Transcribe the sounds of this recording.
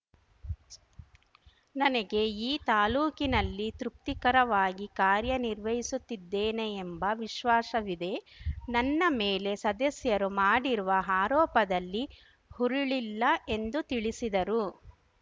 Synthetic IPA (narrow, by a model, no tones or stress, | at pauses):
nɐnɐɡe̞iːt̪aːluːkinɐlːit̪ɾuk̚t̪ikɐɾɐʋaːɡikaːɾjɐniɾʋɐjisut̪ːid̪ːeːne̞ːmbɐʋiʃʋaːsɐʋid̪e̞nɐnːɐmeːle̞sɐd̪ɐsjɐɾumaːɽiɾuʋɐɦaːɾɔːpɐd̪ɐlːi | huɾuɭilːɐe̞nd̪ut̪iɭisid̪ɐɾu